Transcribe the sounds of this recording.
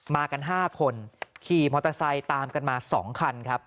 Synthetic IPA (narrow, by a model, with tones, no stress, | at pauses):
maː˧ka˧nɦaː˥˩kʰo˧nkʰiː˧˩mɔː˧˩t̪ʰa˧sa˧jt̪aː˧mka˧nmaː˧sɔ̰ː˩˦ŋkʰa˧nkʰa˦˥p̚